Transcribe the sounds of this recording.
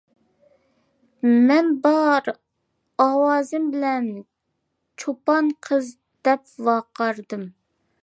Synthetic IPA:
mɛnbɑɾ | ɑwɑːzɨmbɪlɛn | t͡ʃʰopɑnqʰəz | d̪̥ɛpwɑqɑɾd̪ɨm

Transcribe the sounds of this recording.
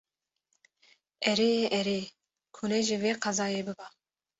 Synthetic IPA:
ɛɾeːjeːʔɛɾeː | kʰunɛʒɨveːqɑzɑːjeːbɨbɑ

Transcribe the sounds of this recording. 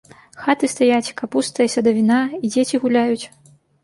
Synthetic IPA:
xat̪ɨst̪ajat͡sʲkapust̪ɐjɐsʲɐd̪ɐvʲinaid͡zʲet͡sʲiɣulʲajut͡sʲ

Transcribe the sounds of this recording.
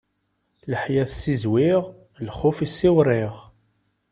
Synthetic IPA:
ləħjæθsizwiʁ | lχʊfisːɪwɾˤɪʁ

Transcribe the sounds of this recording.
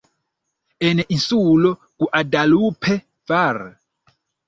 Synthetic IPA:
ɛnɛʔisulɔ | kuʔadalupʰɛ | var

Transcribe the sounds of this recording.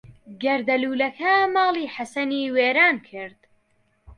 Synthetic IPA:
ɡɐɾd̪ɐluːlɐkʰamɑːlˠiːħasɐniːweːɾaːnkʰɨɾd̪̥

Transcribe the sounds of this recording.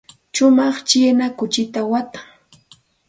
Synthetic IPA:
ʃʊmɑχt͡ʃɪnakʊt͡ʃɪt̪awat̪ḁŋ

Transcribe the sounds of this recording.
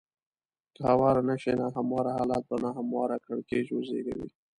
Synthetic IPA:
k̪hawɑɾanaʃenaɦamwɑɾahɑlɑt̪̚banaɦamwɑɾakɾaɽkeʒwozḛɡa̰wḭ

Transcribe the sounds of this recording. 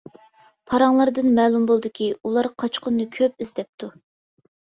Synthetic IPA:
pʰɑɾɑŋlˠɑɾd̪ɨnmɛːlˠumbolˠd̪ɨkʲʰiulˠɑɾqʰɑt͡ʃqʰʊnːɨkʲʰøp̚izd̪ɛp̚t̪ʰu

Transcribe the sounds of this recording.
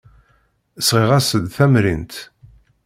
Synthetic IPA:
əsʁiʁæsəd̪θæmɾint̪

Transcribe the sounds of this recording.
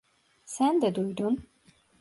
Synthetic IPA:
sænd̪ɛd̪ujd̪un

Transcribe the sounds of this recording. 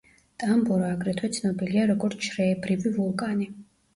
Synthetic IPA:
t̪ʼambɔɾaːɡɾɛt̪ʰwɛt̪sʰnɔbiliaɾɔɡɔɾt̪sʰʃʰɾɛːbɾivivɔlˠkʼani

